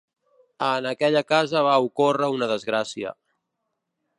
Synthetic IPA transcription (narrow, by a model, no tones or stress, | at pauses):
ənəkɛʎəkazəβaukorəunəðəzɣɾasiə̰